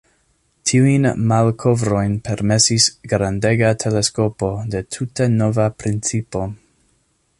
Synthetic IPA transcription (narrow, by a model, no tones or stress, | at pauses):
tʰiujnmalkʰo̞vɾo̞jnpe̞ɾme̞sisɡɾande̞ɡatʰe̞le̞sko̞po̞de̞tʰute̞no̞vapɾint͡sipo̞